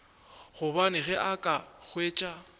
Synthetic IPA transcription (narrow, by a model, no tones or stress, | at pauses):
ɣʊbanɪɣɛʔakʼaɣweːt͡ʃʼa